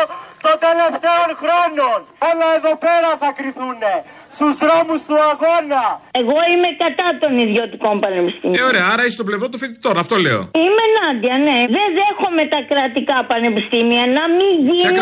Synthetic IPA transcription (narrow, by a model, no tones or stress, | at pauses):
t̪ont̪e̞le̞ft̪eonxɾononolɐeðope̞ɾɐθɐkɾiθune̞ | st̪uzðɾomust̪uɐɣo̞nɐeɣo̞ime̞kɐt̪ɐt̪o̞niðʝo̞t̪iko̞mpɐnepist̪imioɾeɐɐɾɐisst̪ople̞vɾo̞t̪̬ufit̪it̪oɾɐft̪olḛo̰ime̞nɐd̪iɐne̞ðe̞nðe̞xo̞me̞t̪ɐkɾɐt̪ikɐpɐne̞pist̪imiɐnɐmiʝin